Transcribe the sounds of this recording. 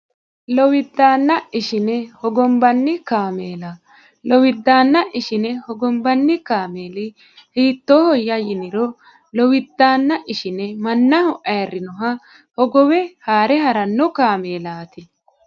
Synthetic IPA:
lɔwɪd̪ːaːnːɐʔɪʃɪnɛhɔɡɔmbɐnːɪkaːmeːlɐ | lɔwɪd̪ːaːnːɐʔɪʃɪnɛhɔɡɔmbɐnːɪkaːme̞ːlɪ | hiːt̪ːoːhɔjːɐjɪnɪɾɔ | lɔwɪd̪ːaːnːɐʔɪʃɪnɛmɐnːɐhɔʔɐjɐrːɪnɔɦɐ | hɔɡɔwɛhaːɾɛɦɐɾɐnːɔkaːme̞ːlaːt̪ɪ

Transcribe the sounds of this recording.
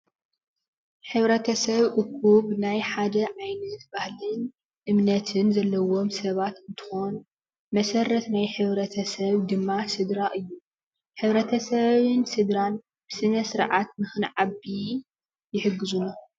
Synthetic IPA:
ħɨβɾɐt̪ʰɐsɐβʔɨkʰːuβnajħad̪ɐʕajnɐt̪̚bahlɨn | ʔɨmnɐt̪ʰɨnzɐlːɐwo̞msɐβat̪ɨnt̪ʰɨ̥xo̞n | mɐsɐrɐt̪najħɨβɾɐt̪ʰɐsɐβd̪ɨmːasɨd̪ɾaʔɨjːu | ħɨβɾɐt̪ʰɐsɐβɨnsɨd̪ɾan | b̥ɨsɨnɐsɨɾʕat̪̚mɨxɨnʕaβi | jɪħɨɡːɨzuno

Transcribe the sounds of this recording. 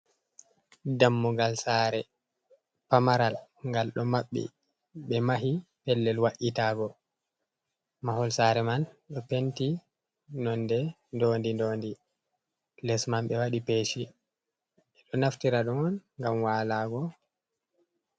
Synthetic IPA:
damːɔɡalsaːɾɛ | pamaɾalŋɡalɗɔmaɓːḭ | ɓɛmaɦipɛlːɛlwaʔitaːɡɔ | mahɔlsaɾɛmanɗɔpenti | nɔndɛ | ndoːndindoːndi | lɛsmanɓɛwaɗipeːʃi | ɛɗɔnaftiɾaɗɔŋɔnŋɡamwaːlaːɡɔ

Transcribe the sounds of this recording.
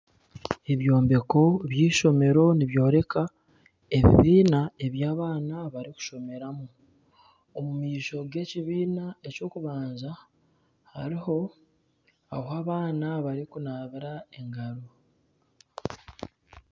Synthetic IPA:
e̞βjo̞ːmbe̞ko̞βjiːʃo̞me̞ɾo̞niβjo̞ːɾe̞ka | e̞βḭβiːnae̞βjaːβaːnaβaɾiku̥ʃo̞me̞ɾamu | omumiːʃo̞ɡe̞ciβiːnae̞co̞ːkuβaːnza | ha̰ɾiho̞ | aɦaːβaːnaβaɾikunaːβiɾae̞ŋɡaɾo

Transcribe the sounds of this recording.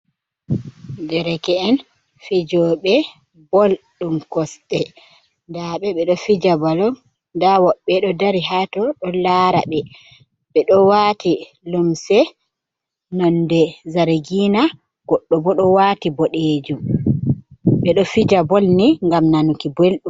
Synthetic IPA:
dɛɾɛkɛːn | fid͡ʒɔɓɛ | bɔlɗumkɔstɛ | ndaɓɛɓɛɗɔfid͡ʒabalɔm | dawɔɓːɛɗɔdaɾiɦatɔɗɔlaɾa̰ɓɛ | ɓɛɗɔwaːti | lumsɛ | nɔndɛzaɾɡiːna | ɡ̥ɔɗːɔbɔɗɔwatibɔɗed͡ʒum | ɓɛɗɔfid͡ʒabɔlniŋɡamnanukibolɗum

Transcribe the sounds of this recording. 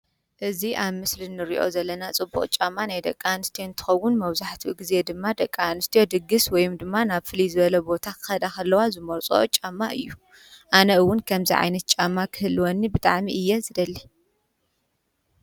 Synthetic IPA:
ʔɨziʔaβmɨslinɨɾiʔo̞̰zɐlːɐnat͡sʼɨbːṵχʼt͡ʃʼamːanajd̪ɐkʼːanɨst̪ʰijont̪ʰɨ̥xɐwːʊnmɐβzaħt̪ʰiɡize̞d̪ɨmːad̪ɐkʼːanɨst̪ʰijo̞d̪ɨɡɨswɔjumd̪ɨmːanaβfɨlizɨβɐlɐbo̞t̪ʰakʰɨ̥xɐd̪akɐlːɐwazɨmoɾt͡sʼo̞̰t͡ʃʼamːaʔɨjːu | ʔanɐɨwːʊnkʰɐmziʕa̰jnɐt̪̚t͡ʃʼamːakʰɨhɨlːwonːibɨt̪ʼa̰ʕmiʔɨjːɛzɨd̪ɐlːi

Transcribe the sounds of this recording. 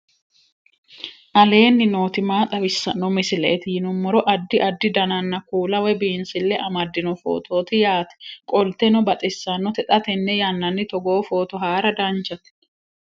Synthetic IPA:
ʔɐle̞ːnːɪno̞ːt̪ɪmaːt̪ʼɐwɪsːɐnːɔmɪsɪlḛːt̪ɪjɪnʊmːɔɾɔʔɐd̪ːɪʔɐd̪ːɪd̪ɐnɐnːɐkuːlɐwɛbiːnsɪlːɛʔɐmɐd̪ːɪnɔfo̰ːt̪ʰo̞ːt̪ɪjaːt̪ɛ̥kʼɔlt̪ɛnɔbɐt̪ʼɪsːɐnːɔt̪ɛt̪ʼɐt̪ɛnːɛjɐnːɐnːɪt̪ɔɡo̞ːfo̞ːt̪ɔɦaːɾɐd̪ɐnt͡ʃːɐt̪

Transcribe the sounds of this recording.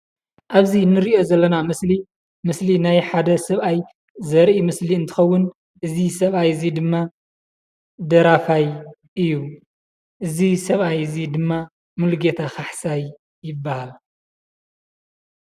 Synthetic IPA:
ʔaβzinɨɾiʔo̞zɐlːɐnamɨsli | mɨslinajħad̪ɐsɐβaj | zɐɾʔimɨsliɨnt̪ʰɨ̥xɐwːʊn | ʔɨzisɐβʔajzid̪ɨmːa | d̪ɐɾafaj | ʔɨjːu | ʔɨzisɐβʔajzid̪ɨmːa | mɨlɡet̪ʰaxaħsaj | jɪbːahal

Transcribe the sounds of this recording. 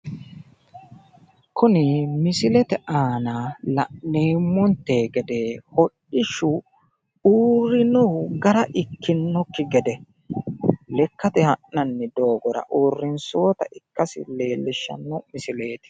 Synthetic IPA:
kʊnɪmɪsɪlɛt̪ɛʔaːnaːlɐʔneːmːɔnt̪ːeːɡɛd̪eːhɔʔɪʃʊ | uːrɪnɔɡɐɾɐʔɪkːɪnːɔkːɪɡɛd̪ɛ | lɛkːɐt̪ɛhɐʔnɐnːɪd̪o̞ːɡɔɾɐ̰ʔuːrːɪnso̞ːt̪ɐʔɪkːɐsɪ̰le̞ːlːɪʃːɐ̰nːɔmɪsɪle̞ːt̪ɪ̥

